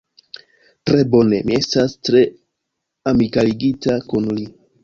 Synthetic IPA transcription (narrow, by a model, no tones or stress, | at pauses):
tɾe̞bo̞ne̞mie̞stastɾe̞ | amikaliɡitakunli